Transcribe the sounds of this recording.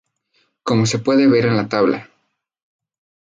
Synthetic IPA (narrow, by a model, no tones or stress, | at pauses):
ko̞mo̞se̞pwe̞ðeβe̞ɾe̞nlat̪aβla̰